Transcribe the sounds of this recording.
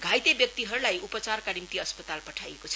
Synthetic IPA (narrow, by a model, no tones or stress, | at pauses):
ɡʱajt̪ebjʌk̚t̪iɦʌɾulajupʌt͡sarkanimt̪iʌspʌt̪alpʌʈʰajekot͡sʰ